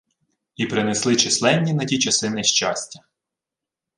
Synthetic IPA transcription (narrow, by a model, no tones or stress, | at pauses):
ipɾɪneslˠɪt͡ʃɪslˠɛnʲːinɐtʲit͡ʃɐsɪnɪʃt͡ʃɑsʲtʲɐ̥